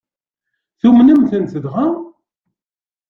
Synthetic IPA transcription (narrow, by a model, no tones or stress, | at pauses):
θumnəmθənt̪əðʁa